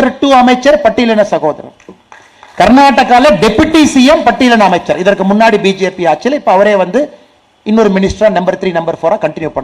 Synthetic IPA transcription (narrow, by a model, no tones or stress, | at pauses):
ɐɾʈːuːɐmɐɪt͡ʃːɐɾpɐʈːɪlɐnɐsɐɣoːðɐ̰ɾɐ̰m | kɐɾnaːʈːɐkːaːlɐɖɛpːɯʈːisijɐmpɐʈːɪlɐnɐɐmɐɪt͡ʃːɐɾɪðɐɾkɯmʊnːaːɽibiːd͡ʒeːpiaːt͡ʃːɪlɪpːoːɐʋɐɾeːʋɐnd̪ɯ | ɪnːoɾɯmɪnɪsʈɾaːnɐmbɐɾt̪ɾiːnɐmbɐɾfoːɾaːkɐɳʈɪnjupɐɳː